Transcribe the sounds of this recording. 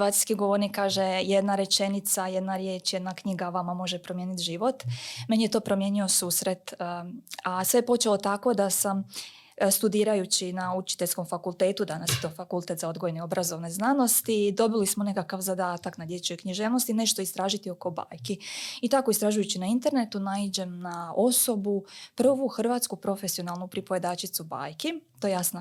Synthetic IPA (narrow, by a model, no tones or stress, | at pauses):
ʋaːt̪ijskiɡoʋoɾnikːaːʒejed̪naɾe̞t͡ʃe̞nit̪saje̞d̪naɾjet͡ʃjed̪nakɲiɡaʋamamo̞ʒepɾo̞mje̞ːnit̪ʒiʋo̞t̪me̞nijet̪o̞ːpɾo̞mje̞ːnio̞suːsɾe̞t̪ | asʋejepo̞t͡ʃelo̞t̪ako̞d̪asam | st̪ud̪iːɾajut͡ɕinaut͡ʃi̥t̪eʎʲsko̞mfakulˠt̪eːt̪ud̪anasjet̪o̞ːfakulˠt̪e̞t̪zao̞d̪ɡojeneo̞bɾazo̞ʋne̞znano̞st̪id̪o̞bilismo̞ne̞kakaʋzad̪aːt̪aknad̪je̞t͡ʃojkɲiʒeːʋno̞st̪ine̞ʃt̪o̞ist̪ɾaːʒit̪io̞ko̞ba̰ːjkiit̪ako̞ist̪ɾaːʒujut͡ɕinaint̪e̞ɾne̞t̪unaid͡ʑe̞mnao̞so̞bupr̩ʋuxr̩ʋaːt̪skupɾo̞fe̞sionalˠnupɾipoje̞d̪aːt͡ʃit̪suba̰ːjkit̪ojejasno